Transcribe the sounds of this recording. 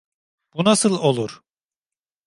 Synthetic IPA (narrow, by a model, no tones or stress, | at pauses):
b̥unasɯlˠo̞lˠuɾ̥